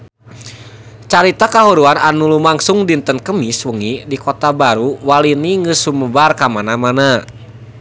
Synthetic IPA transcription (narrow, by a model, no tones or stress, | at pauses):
t͡ʃaɾit̪akaɦuɾuananulumaŋsuŋdint̪ənkəmiswəŋidikɔt̪abaɾuwaliniŋɡəsuməbarkamanamana